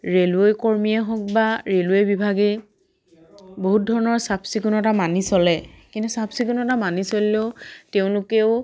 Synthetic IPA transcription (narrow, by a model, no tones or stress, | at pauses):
ɹelejkɔɹmijaɦɔk̚baɹelwejbibʱaɡe | boɦut̚dʱɔɹɔnɔɹsapsikunɔtamanisɔlɛkintusapsikunɔtamanisolileʊteʊ̃lʊkɛʊ